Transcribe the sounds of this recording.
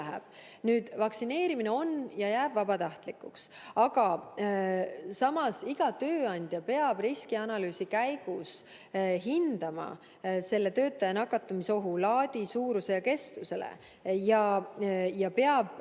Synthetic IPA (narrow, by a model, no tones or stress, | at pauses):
æɦḛb̥ | nyːd̪̥vɑksine̞ːɾimineo̞njɑjæːb̥vɑbɑt̪ɑht̪likːˑuks | ɑɡ̥ɑ | sɑmɑsiɡ̥ɑt̪øːɑnʲd̪̥ʲjɑpe̞ɑb̥riskiɑnɑlyːsikæjɡ̥us | ɦind̪̥ɑmɑ̰ | se̞lːe̞t̪ø̞ːt̪ːˑɑjɑnɑkːˑɑt̪ːˑɑmiso̞ɦulɑːd̪̥ʲisuːɾuse̞jɑke̞st̪use̞lḛ | jɑ | jɑpe̞ɑb̥